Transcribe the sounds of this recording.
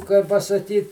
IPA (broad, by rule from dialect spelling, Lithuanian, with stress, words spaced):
kɐɪ pɐsɐˈkʲiːt